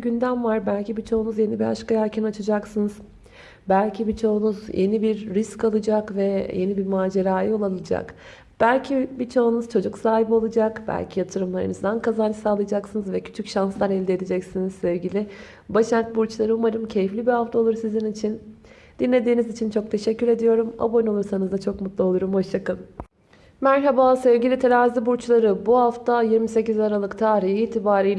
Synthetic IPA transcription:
ɟynd̪æmvaɾbælʲcibit͡ʃʰo̞unuzje̞nibiaʃkajaːcʰinat͡ʃʰɯd͡ʒaksɯnɯz̥ | bælʲcʰibit͡ʃʰo̞unuzje̞̰nibiɾːiscalˠɯd͡ʒakvɛje̞nibiɾmaːd͡ʒeɾaːjɯolˠalˠɯd͡ʒa̰k | b̥ælʲcʰibit͡ʃʰo̞unuzt͡ʃʰo̞d͡ʒuksaːɦibo̞lˠad͡ʒakbæ̰lʲcʰijat̪ʰɯɾɯmlˠaɾɯ̰nɯzd̪ankʰazanɯsaːlˠɯjad͡ʒaksɯnɯzvɛcʰy̥t͡ʃʰycʃanslˠanɛlʲd̪ied̪ed͡ʒɛcsinizsevɟilʲɪ | baʃat̪̚buɾt͡ʃlˠaɾɯumaɾɯmcʰe̞jiflʲibihaft̪ʰao̞lˠuɾsizinit͡ʃʰin | d̪̥inlʲe̞d̪iːnizit͡ʃʰint͡ʃʰo̞k̚t̪ʰe̞ʃɛcːyɾe̞d̪ijo̞ɾuma̰bonolˠuɾsanɯzd̪at͡ʃʰo̞kmut̪lˠuo̞lˠuɾumho̞ʃjakɯn | mæɾɦabaːsɛvɟilʲit̪ʰelaːzibuɾt͡ʃlˠaɾɯbuɦaft̪ʰajiɾmise̞cizaɾalˠɯkt̪ʰaːɾiɦiːt̪ʰibaːɾijʲ

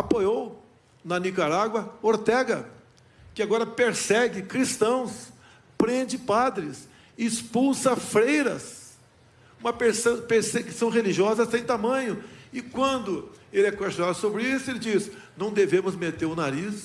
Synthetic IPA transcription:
apojow | nɐnikaɾaɡwɐoɾt̪ɛɡɐ | kɪaɡɔɾɐpeɾsɛɡɪkɾist̪ɐ̃w̃s | pɾẽd͡ʒɪpad̪ɾɪsː | spuwsɐfɾejɾɐs | ũmɐpeɾsɐ̃peɾsekɪsɐ̃w̃ɦeliʒiɔzɐsːẽj̃t̪amɐ̃ɲʊɪkwɐ̃nd̪ʊelɪɛkwest͡ʃonad̪ʊsobɾɪisʊelɪd͡ʒis | nɐ̃w̃d̪evẽmʊzmet̪eɾʊnaɾis

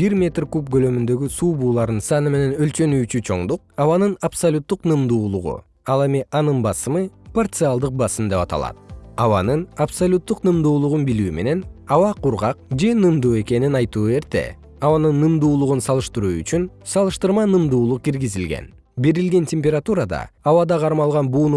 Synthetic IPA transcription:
b̥iɾmʲe̞t̪rkup̚ɡølø̞mynd̪ø̞ɡysuːbuːlˠɑɾd̪ɯnsɑnɯme̞ne̞nø̞lt͡ʃø̞nyːt͡ʃyt͡ʃʰo̞̰ɴd̪uq̚ɑβɑnɯnapsɐlʲut̪ːuqnɯmd̪uːlˠuʁṵ | ɑlˠe̞mʲiʔɑnɯnbɑsɯmɯpart̪sɨalˠd̪ɯq̚bɑsɯmd̪e̞pɑt̪ɑ̰lˠɑ̰t̪̚ɑwɑnɯnapsalʲut̪ːuqnɯmd̪uːlˠuʁunbilyːme̞̰ne̞nɑwɑqʰuɾʁɑq̚d͡ʒe̞nɯmd̪uːe̞ke̞ninɑjt̪uːe̞ɾt̪e̞̰ | ɑβɑnɯnːɯmd̪uːlˠuʁunsɑlˠɯʃt̪ɯɾuːy̰t͡ʃyn | sɑlˠɯʃt̪ɯɾmɑnɯmd̪uːlˠuq̚ɡiɾɡizilɡe̞̰n | beɾilɡe̞ntʲemʲpʲe̞ɾat̪uɾad̪ɑ̰ɑwɑd̪ɑqʰɑɾmɑlˠʁɑnbuːnu

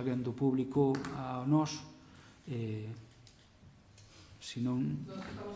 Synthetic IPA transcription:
aɣend̪ʊpuβlikoaonɔs | e | sinõŋ

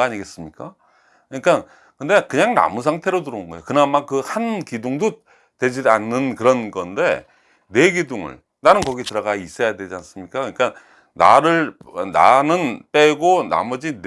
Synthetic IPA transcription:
aɲiɡe̞s͈ɯmɲik͈a | kɯɲik͈an | kɯnde̞kɯɲaŋna̰mus̬ʰaŋtʰe̞ɾotuɾɯnɯnɡʌejokɯnamːankɯhankidoŋdo | twe̞d͡ʑidanːɯnkɯɾʌnɡʌnde̞̰ | ne̞ɡidoŋɯ̰ɭ | nanɯnkʌɡitɯɾʌɡais͈ʌjadwe̞d͡ʑians͈ɯmɲik͈akɯɲik͈a | na̰ɾɯɭna̰nɯnp͈eɡona̰mʌd͡ʑin

